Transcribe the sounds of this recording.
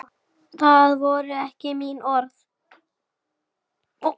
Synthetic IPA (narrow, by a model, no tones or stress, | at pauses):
θaðvɔɾʏɛhcɪminɔɾθ